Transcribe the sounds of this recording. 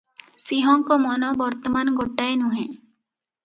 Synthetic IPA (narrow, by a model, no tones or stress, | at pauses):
siɦõŋkomɔnõbəɾt̪əmanɡoʈːaːenũːɦɛ̃ː